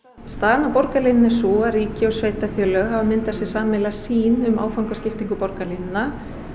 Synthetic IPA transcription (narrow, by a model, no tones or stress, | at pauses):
st̪aːðnapɔɾkalɪnnɪsuariːcɪɔwsveːjt̪afjœːlœɣɦavamɪnt̪asjɛsaːmɛlasiːnʏma̰ːwfawŋkḁscɪft̪iŋkʏpɔɾkalenna